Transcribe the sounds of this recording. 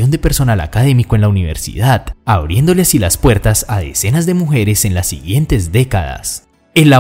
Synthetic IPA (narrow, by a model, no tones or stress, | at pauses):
o̞nd̪e̞pe̞ɾso̞nala̰kaðe̞mikoe̞nlauniβ̞e̞ɾsḭðaðaβɾje̞nd̪o̞leasilaspwe̞ɾt̪asaðḛse̞nazd̪e̞muxe̞ɾe̞se̞nlasːḭɣje̞nt̪e̞zd̪e̞kaða̰s | enla